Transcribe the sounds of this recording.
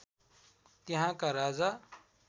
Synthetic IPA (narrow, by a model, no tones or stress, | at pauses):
t̪iɦãkaɾaːd͡za